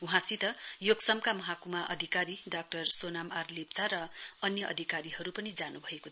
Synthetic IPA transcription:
uɦãsit̪ʌjoɡsʌmkamʌɦakumaʔʌd̪ʱikaɾiɖak̚ʈʌrsonamarlep̚t͡saɾʌʌnjʌʔʌ̰d̪ʱikaɾihʌɾupʌnid͡zanubʱʌeko

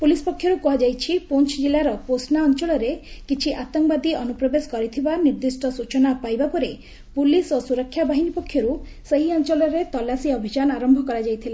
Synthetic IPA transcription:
pulispɔkʰːjɔɾukuɦad͡ʒajt͡ʃʰipont͡ʃʰd͡ʒilːaɾɔposnaɔnt͡ʃɔɭɔɾekit͡ʃʰiʔat̪ɔŋbad̪iɔnupɾɔbeskɔɾit̪ʰibaniɾd̪isʈɔsut͡ʃɔnapajbapɔɾe | pulisosuɾɔkʰːjabaɦinipɔkʰːjɔɾuseɦiɔnt͡ʃɔlɔɾet̪ɔlːasiɔbʱid͡ʒanaɾɔmbʱɔkɔɾad͡ʒajt̪ʰila

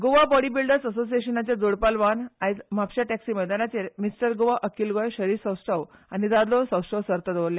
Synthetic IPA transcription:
ɡoʋabɔɽibilɖəɾsəsos̬ieɕənat͡ɕjad͡zoɽpalʋanajd͡zmapɕaʈɛksiməjd̪anat͡ɕeɾmisʈəɾɡoʋaʔəkilɡojɕəɾiɾsə̃wsʈʰəʋanid̪ad̪losə̃wsʈəwsəɾt̪əd̪ʋɾlja

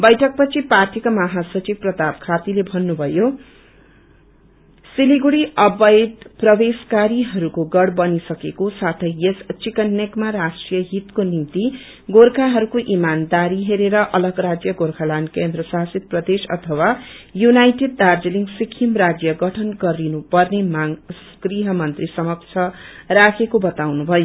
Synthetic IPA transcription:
bʌjʈʰʌk̚pʌt͡sʰiparʈikamʌɦasʌt͡ʃik̚prʌt̪ab̚kʰat̪ilebʱʌnːubʱʌjo | siliɡuɽiʌbʌjd̪prʌbeskaɾiɦʌɾukoɡʌɽbʌnisʌkekosat̪ʰʌjest͡sikʌnːekmaɾasʈrijʌɦit̪konimt̪i | ɡorkʰaɦʌɾukoʔimand̪aɾiɦeɾeɾʌʔʌlʌɡrad͡zjʌɡorkʰalankend̪rʌsasit̪̚prʌd̪esʌ̰t̪ʰʌwajunajʈed̪̚d̪ard͡zeliŋɡsikʰimrad͡zjʌɡʌʈʰʌnɡʌɾinupʌrnemaŋs | kriɦʌmʌnt̪risʌmʌk̚t͡sʰʌrakʰekobʌt̪awnubʱʌjo

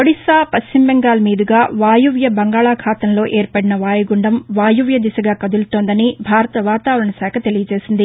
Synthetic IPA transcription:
koɽisaːpɐst͡ʃimbɛŋɡaːlɐmiːd̪iɡaːʋaːjuʋjɐbɐŋɡaːɭaːkʰaːt̪ɐmlo̞ːʔeːɾpɐɽinɐʋaːjɐɡuɳɖɐmʋaːjuʋjɐd̪isɐɡaːkɐd̪ult̪oːnd̪ɐnibʱaːɾɐt̪ɐʋaːt̪aːʋɐɾɐɳɐsaːkʰɐt̪e̞lijɐt͡ʃe̞ːsind̪i

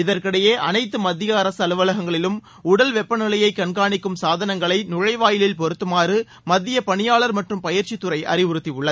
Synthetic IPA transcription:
ɪðɐrkɪɽɐjeːʔɐnɐɪt̪ːɯmɐðːɪjɐːɾɐsɐlɯʋɐlɐɣɐŋɡɐɭɪlɯm | ʊɽɐlʋɛpːɐnɪlɐjɐɪkɐɳɡaːɳɪkːɯmsaːðɐnɐŋɡɐɭɐɪnʊɻɐɪʋaːjɪlɪlpɔɾɯt̪ːɯmaːrɯ | mɐðːɪjɐpɐɳɪjaːɭɐɾmɐʈrɯmpɐjɪɾt͡ʃɪt̪ːɯrɐɪʔɐ̰ɾɪʋʊɾɯt̪ːiʊɭːɐð

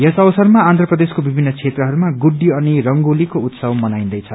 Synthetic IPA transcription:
jʌsʌbʌsʌrmaːnd̪ʱrʌprʌd̪eskobibʱinːʌt͡sʰet̪rʌɦʌɾumaɡuɖːiʌnirʌŋɡolikout̪sʌbmʌnaj̃nd̪ʌjt͡sʰʌ

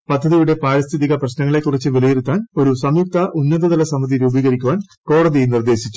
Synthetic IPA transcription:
pɐd̪ʱːɐðijuɽe̞paːɻɐst̪ʰiðiɣɐprɐɕnɐŋːɐɭe̞kːurit͡ɕːɨʋelijerut̪ːaːno̞ɾusɐmjuk̚t̪ʰɐʔunːɐðɐðɐlɐsɐmːɐd̪iɾuːbiːɣɐɾikʲːuʋaːn | ko̞ːɽɐðiejnird̪e̞ːɕit͡ɕːu̥

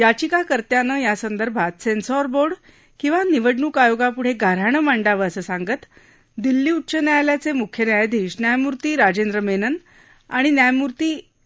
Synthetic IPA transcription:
jat͡ɕikakəɾt̪janəjasənd̪əɾbʱat̪sensɔɾboɾɽ | kĩw̃ʋaniʋəɽnuːkajoɡapuɽ̤eɡʱaɾaɳ̃əmaɳɖaʋəəsəːsaŋɡət̪ | d̪ilːiːutːɕənjajljat͡semukʰjənjajd̪ʱiːɕnjajmuɾt̪iːɾad͡ʑend̪ɾəmenən | a̰ɽ̃injajmuɾt̪iː

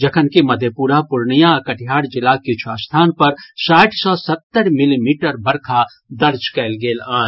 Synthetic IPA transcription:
d͡ʒɐkʰənkimɐd̪ʱjəpuːɾapʊɾɳijãkəʈʰijaːɽd͡ʒɪlakɪt͡ʃʰuaːst̪ʰaːnpɐɾsaːʈʰsɔːsɐt̪ːəɾmɪlimiːʈəɾbɐɾkʰa | d̪ɐɾd͡ʒkɛːlɡeːlaː

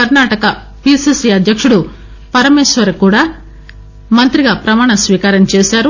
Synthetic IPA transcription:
ɐɾnaːʈɐkɐ | piːsisiɐd̪ʱjɐkʂuɽu | pɐɾɐmeːʃʋɐɾɐkuːɽaː | mɐnt̪ɾiɡaːpɾɐmaːɳɐsʋiːkaːɾɐmt͡ʃeːsaːɾu

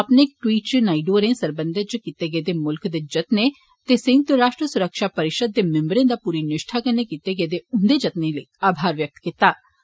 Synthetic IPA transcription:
ɐpnek̚ʈwiːʈt͡ʃnaːiɖuːəɾẽːsəɾbə̃nd̪ət͡ʃkiːt̪eɡɛed̪emʊlkd̪eːd͡ʒət̪ne | t̪esẽnt̪əɾaːʃʈɾəsʊɾəkʃaːpəɾɪʃəd̪̚ːemɛ̃mbɾẽːd̪aːpuːɾinɪʃʈʰakənːekiːt̪eɡɛed̪eʊnd̪ed͡ʒət̪nẽləiaːbʱaːɾʋjək̚t̪kit̪aː

